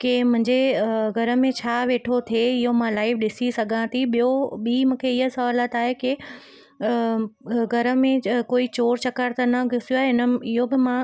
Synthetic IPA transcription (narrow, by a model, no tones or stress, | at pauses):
kemʊ̃ɦɪ̃ɲd͡ʑeɡʱɐɾə̆mẽt͡ɕʰaːʋeːʈʰot̪ʰieɪɦomãlaːɪʋɗɪsisɐɡʱãt̪ʰiɓɪjoɓimũːkʰeɪɦəsɐʋaːlət̪aːɦekɪ | ɡʱɐɾə̆mẽkoːit͡ɕoːɾt͡ɕɐkəɾt̪ənɐɡʱʊsijoaːɦeɦɪnə̆ɪɦobɪmã